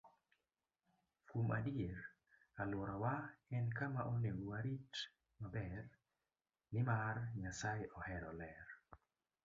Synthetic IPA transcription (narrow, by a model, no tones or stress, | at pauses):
fumadieɾ | alwɔɾɔwaɛnkamaʔonewuwaɾit | mabɛr | nɪmarɲasajɪʔɔhɛɾɔlɛr